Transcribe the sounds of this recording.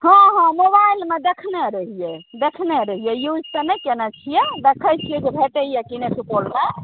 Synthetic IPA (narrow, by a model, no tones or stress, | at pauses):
ɦɔ̃ɦɔ̃mobailmed̪ekʰneɾəɦijɛd̪ekʰneɾəɦijɛjud͡ʒʱt̪ənɛkenɛt͡ʃʰijɛd̪ekʰəjt͡ʃʰijɛd͡ʒebʱeʈeɦijɛkineʈʰupolta